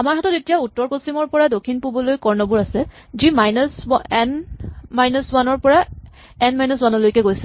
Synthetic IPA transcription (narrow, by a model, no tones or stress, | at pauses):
amaɹɦatɔtetijautːɔɹposimɔɹpɔɹadokʰːinpubɔlojkɔɹnɔbuɹasɛ | zimajnɔsɛnmajnɔswanɔɹpɔɹa | ɛnmajnɔswanɔlojkɛɡojsil